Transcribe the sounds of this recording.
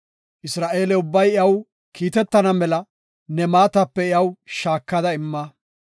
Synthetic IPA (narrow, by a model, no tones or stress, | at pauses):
ʔɪsɾaːʔe̞ːlɛʊbːɐjɪɐw | kʰiːt̪ɛt̪ːɐnɐmɛlɐ | nɛmaːt̪ɐpːɛɪjɐwʃaːkːɐd̪ɐɪmːɐ